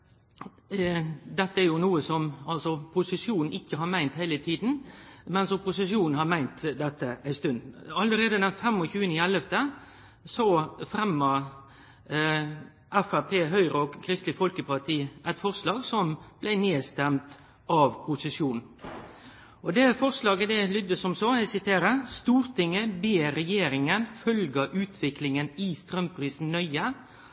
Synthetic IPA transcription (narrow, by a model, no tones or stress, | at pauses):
d̪ɛt̪ːəæɾjʊnuːəsɔmɑlsɔpʰʊsɪʂjuːnn̩ɪkːəhɑɾmæɪnt̪hæɪlət̪ʰiːd̪n̩mɛnsɔpʊsɪʂjuːnn̩hɑɾmæɪnt̪d̪ɛt̪ːəʔæɪst̪ʉnd̪ɑlːəɾeːd̪əd̪ɛnfɛmːɔçʉːənəɪɛlːəft̪ə | sɔfɾɛmːə | ʔɛfæpʰeːɦœʏɾɔɡkʰɾɪst̪lɪfɔlkəpɑʈ̪ʰiːʔæt̪fɔɾslɑːɡsɔmb̥læɪneːst̪ɛmt̪ | ɑʋpʰʊsɪsjuːnn̩ | ʔɔd̪ɛːfɔɾslɑːɡəd̪ɛlʏd̪əsɔmsɔæsɪt̪ʰeːɾəst̪uːɾt̪ɪŋːəbeːɾɛjeːɾɪŋənfœlɡɑʔʉːt̪ʰʋɪklɪŋənɪst̪ɾœmpʰɾiːsn̩œʏə